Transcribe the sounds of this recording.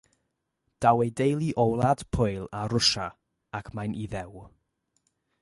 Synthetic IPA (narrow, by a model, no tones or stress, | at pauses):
d̥awejdejlˠiʔɔwlˠad̥pʰʊɨlˠaɾʊʃa | akʰmajnʔiðɛw